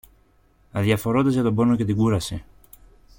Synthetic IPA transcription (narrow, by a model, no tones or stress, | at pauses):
ɐðjɐfo̞ɾot̪ezʝɐt̪o̞bo̞noce̞t̪iɡuɾɐse